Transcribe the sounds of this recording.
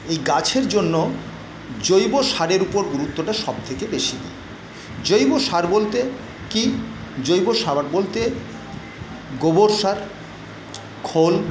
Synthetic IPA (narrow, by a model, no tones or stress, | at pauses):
ejɡat͡ɕʰeɾd͡ʑonːo | d͡ʑojboʃaɾeɾupoɾɡuɾut̪ːoʈaʃɔb̚t̪ʰekebeʃid̪ḭe | d͡ʑojboʃaɾbolt̪e | kid͡ʑojboʃaɾbolt̪e | ɡoboɾʃaɾ | kʰol